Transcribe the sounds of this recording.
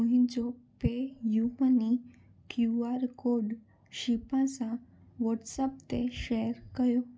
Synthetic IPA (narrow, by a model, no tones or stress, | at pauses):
uɦĩd͡ʑopejuʋəni | kjuaɾkoɖ | ɕipãsã | ʋɔʈsəpt̪eʃeɾkəjo